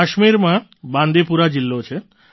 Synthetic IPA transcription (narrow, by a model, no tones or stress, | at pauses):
aʃmiɾmãbãnd̪epuɾad͡ʑilːot͡ʃʰe